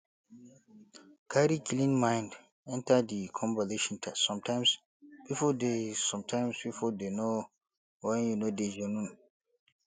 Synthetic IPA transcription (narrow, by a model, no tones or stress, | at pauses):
kʰaɾikʰilĩnmãɪ̃nd | ɛ̃ntadikʰɔ̃mvazeʃɔ̃ntʰassɔ̃mtãɪ̃ms | b̥ifɔdesɔ̃mtʰãj̃msbifɔdeno | wɛ̃njunoded͡ʒɔnũn